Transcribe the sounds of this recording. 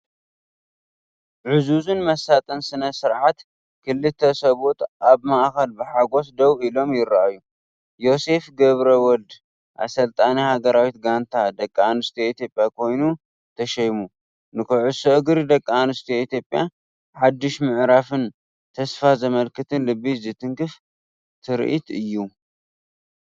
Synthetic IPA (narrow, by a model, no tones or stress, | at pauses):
ʕɨzuzunmɐsat̪ʼɐnsɨnɐsɨɾʕat̪ | kʰɨlːɨt̪ʰːɐsɐβot̪aβmaʔxɐlbɨħaɡo̞sd̪ɐwilo̞mjɪɾːaʔaju | jo̞se̞fɡɐβɾɐwɔld̪ | ʔa̰sɐlt̪ʼanihaɡɐɾawit̪ɡant̪ʰad̪ɐkʼːanɨst̪ʰeit̪ʰjo̞pʼːjakʰo̞jnu | t̪ʰɐʃɐjmu | nɨkʰɨʕusoʔɡɾid̪ɐkʼːanɨst̪ʰiit̪ʰjo̞pʼːja | ħad̪ːɨʃmɨʕɾafɨn | t̪ʰɐsfazɐmɐlkɨt̪ʰɨnlɨbːizɨt̪ʰɨŋkʰɨf | t̪ʰɨɾʔḭt̪ɨjːu